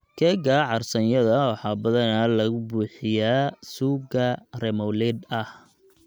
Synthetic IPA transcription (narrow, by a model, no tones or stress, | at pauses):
kʰɛɡaʕɑrsɐnjɐðɐwɑħɑːbɐðɐnaːlɐɣʊbuːħɪjaːsuːɡɐrɛmɔlɛːd̪ɐh